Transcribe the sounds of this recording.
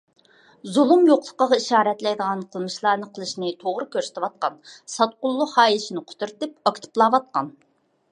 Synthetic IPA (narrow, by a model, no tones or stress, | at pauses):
zulˠumjoqlˠə̥qəʁɑiʃɑːɾɛt̪lɛjd̪əʁɑnqʰəlˠmɨʃlˠɑːnɨqʰəlˠɨʃnɨt̪ʰoʁɾɨkʲøɾsɪ̥t̪ʰɪwɑt̪̚qɑnsɑt̪̚qʊlˠːʊhɑːjʃinɨqʰʊ̥t̪ʰuɾt̪ɨp̚ɑkʲt̪ʰɨ̥plˠɑːwɑt̪̚qɑn